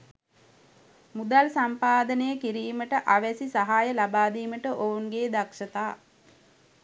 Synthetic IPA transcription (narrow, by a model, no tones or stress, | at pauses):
mud̪alsampaːd̪ənəjəkiɾiːməʈəʔaʋæsisaɦaːjəlabaːd̪iːməʈəʔounɡeːd̪akʂət̪aː